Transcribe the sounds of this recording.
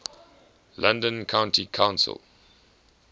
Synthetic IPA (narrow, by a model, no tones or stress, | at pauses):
lʔãndə̃nkʰãʊ̃ntikʰãʊ̃nsə̰l